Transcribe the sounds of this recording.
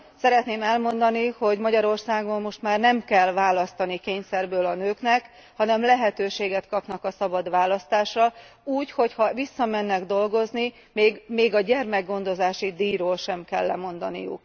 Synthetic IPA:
sɛɾɛt̪neːmɛlmo̞nd̪ɒniho̞ɟmɒɟɒɾo̞rsaːɡo̞mːo̞ʃt̪maːrnɛmkɛlvaːlɒst̪ɒnikeːɲsɛrbøːlɒnøːknɛk | hɒnɛmlɛɦɛt̪øːʃeːɡɛt̪kɒpnɒkɒsɒbɒd̪ʋaːlɒst̪aːʃrɒ | uːcho̞chɒvisːɒmɛnːɛɡd̪o̞lɡo̞zni | meːɡmeːɡɒɟɛrmɛɡɡo̞nd̪o̞zaːʃid̪iːɾoːlʃɛmkɛ̰lːɛ̰mo̞nd̪ɒnḭjṵk

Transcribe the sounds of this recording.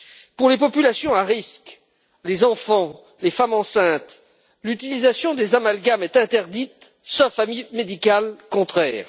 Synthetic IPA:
puʁlepɔpylasjɔ̃aʁisk | lezɑ̃fɑ̃ | lefamɑ̃sɛ̃t̪ | lyt̪ilizasjɔ̃d̪ezamalɡamɛt̪ɛ̃t̪ɛʁd̪it̪ | sɔfamimed̪ikalkɔ̃t̪χɛːʁ

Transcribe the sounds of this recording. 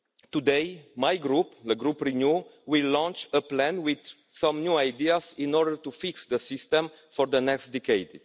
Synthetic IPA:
t̪ud̪ejmajɡɾupd̪əɡɾupɾinjuwilːɔ̃nt͡ʃəplæ̃nwid̪ | sãmnjuajd̪iazĩnɔɾdəɾt̪ufiksd̪əsist̪ə̃m | fɔɾd̪ənɛkstd̪ɛkejd̪

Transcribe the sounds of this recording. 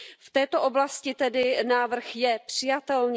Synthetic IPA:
ft̪ɛːt̪oʔo̞blascɪt̪ɛdɪnaːvr̩xjɛpr̝̥ɪjat̪ɛlɲ

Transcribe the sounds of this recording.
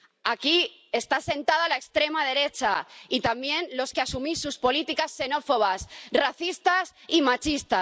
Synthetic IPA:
aki | e̞st̪ase̞nt̪að̞alaekst̪ɾe̞maðe̞ɾe̞t͡ʃait̪ambje̞nlo̞skeasumisːuspo̞lit̪ikasːe̞no̞fo̞β̞asraθist̪asimat͡ʃist̪a

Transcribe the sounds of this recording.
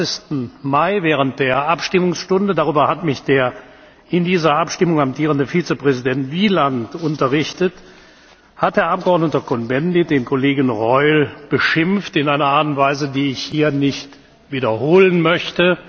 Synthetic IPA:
ɪçstn̩maɪvɛːʁ̞ənt̚d̥eːɐʔapʃtɪmʊŋsʃtʊndədaʁ̞yːbɐhatmɪçd̥eːɐ | ʔɪndiːzɐʔapʃtɪmʊŋamtʰiːʁ̞əndəfiːt͡səpʁ̥ɛzidɛntv̥iːlantʊntɐʁɪçtət | hat̚deːɐʔap̚ɡ̥əɔɐdnətɐkɔnbɛndid̥eːnkʰoleːɡən̩ʁɔʏlb̥əʃɪmftɪnaɪnɐaːtʊntv̥aɪzədiːɪçhiːɐnɪçt | v̥iːdɐhoːlənmœçtə

